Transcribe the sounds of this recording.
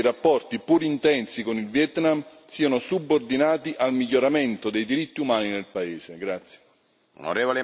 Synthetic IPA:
ɾapːɔrt̪ipuɾint̪ɛnsikonilvjɛt̪nam | siːanosubːord̪inaːt̪iʔalmiʎːoɾament̪od̪ejd̪iɾit̪ːiumaːninelpaeːseɡɾat̪sːje̥ | ṵno̰ɾeːvole

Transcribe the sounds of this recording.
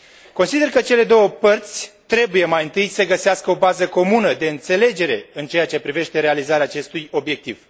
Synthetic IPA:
ko̞nsid̪e̞rkət͡ʃe̞le̞d̪o̞wəpərt̪sʲt̪ɾe̞buje̞majɨnt̪ɨjsəɡəseaskəo̞bazəko̞munəd̪e̞ɨnt̪se̞le̞d͡ʒe̞ɾe̞ɨnt͡ʃe̞jat͡ʃe̞pɾive̞ʃt̪e̞ɾe̞alizaɾeaːt͡ʃe̞st̪ujo̞bje̞k̚t̪iv

